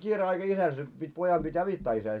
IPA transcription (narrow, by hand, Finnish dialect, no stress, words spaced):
kiːre ɑikɑ isæl se pitʲ pojɑm b̥it ɑʋitːɑː isæː